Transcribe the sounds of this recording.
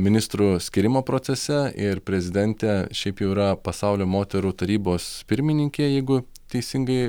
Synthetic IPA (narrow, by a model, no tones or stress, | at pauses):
mʲɪnʲɪst̪ɾusʲkʲɪɾʲɪmoːpɾoːsʲɛsʲɛɪɾpʲɾʲɛzʲɪd̪ʲɛnʲt̪ʲɛʃʲɛɪpjɛʊiɾɐpɐsɑʊlʲoːmoːt̪ʲɛɾuːt̪ɐɾʲiːboːspʲɪɾʲmʲɪnʲɪŋʲkʲeːjɛɪɡʊ | t̪ʲɛɪsʲɪŋɡɐɪ